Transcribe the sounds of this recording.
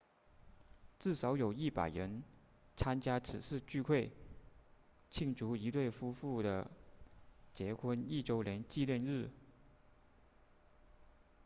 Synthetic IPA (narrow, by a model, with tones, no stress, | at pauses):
t͡sɹ̩˥˩ʂɑ˧˥ʊjo˨˩ʊi˥˩pa̰˨˩ɪɻə˧˥n | t͡sʰa˥nt͡ɕja˥t͡s̩ʰ˨˩ʂɻ̩˥˧t͡ɕy˥˧kʰwe˥˩ɪ | t͡ɕʰi˥˩ŋʈ͡ʂu˧˥i˧˥t̪we˥˩ɪfu˥fu˥˩d̪ə˩ | t͡ɕjɛ˧˥xʰwə˥ni˥˩ʈ͡ʂo˥ʊljɛ˧˥nt͡ɕi˥˧ljɛ˥˧nɻɻ̩˥˩